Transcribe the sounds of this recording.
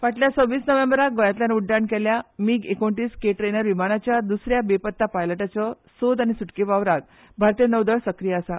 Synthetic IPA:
ʋaʈljat͡səʋiːsnəʋembɾak̚ɡojat̪ljanuɖːaɳkɛljamiːɡekoɳʈiːskeʈɾenəɾʋimanat͡ɕjad̪usɾjabepət̪ːapajləʈat͡sɔ | sod̪aɽ̃isuʈkeʋaʋɾaɡ | bʱaɾt̪ijənəʋd̪əɭsəkɾijəːsa

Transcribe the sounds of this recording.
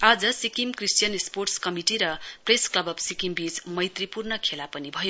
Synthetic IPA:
ad͡zʌsikimkrisʈijʌnesporʈskʌmiʈiɾʌpresklʌbʌbsikimbid͡zmʌjt̪ripurnʌkʰelapʌnibʱʌjo

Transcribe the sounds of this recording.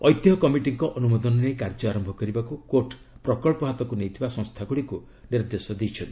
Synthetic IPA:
ɔjt̪jɔkɔmiʈiŋkɔʔɔnumɔd̪ɔnɔnejkaɾd͡ʒɔaɾɔmbʱɔkɔɾibakukoɾʈ | pɾɔkɔɭpɔɦat̪ɔkunejt̪ʰibasɔ̃ŋst̪ʰaɡuɽiku | niɾd̪esɔd̪it͡ʃʰɔnt̪i

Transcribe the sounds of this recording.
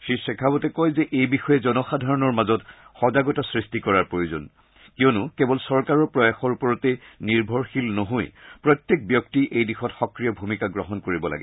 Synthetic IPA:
ʃisɛkʰabɔtɛkɔjzɛʔejbixɔjɛzɔnɔxadʱaɹɔnɔɹmazɔtxɔzaɡɔtasɹistikɔɹaɹpɹojozo̰n | kiɔnukɛbɔlsɔɹkaɹɔɹpɹɔjaxɔɹupɔɹɔtɛniɹbʱɔɹxilnoɦojpɹɔtjek̚bjɔktiʔejdixɔtxɔkɹijɔbʱumikaɡɹɔɦɔnkoɹibɔla̰ɡɛ

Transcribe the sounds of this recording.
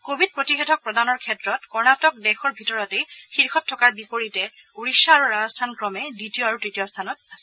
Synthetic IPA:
kobʱid̚pɹotixɛtʰɔk̚pɹɔdanɔɹkʰɛtɹɔtkɔɹnatɔk̚dɛxɔɹbʱitɔɹɔtexiɹxɔtʰːɔkaɹbipoɹitɛ | uɹisaːɹuɹazɔstʰankɹɔmɛditijoaɹutɹitijɔstʰanɔt̚asɛ

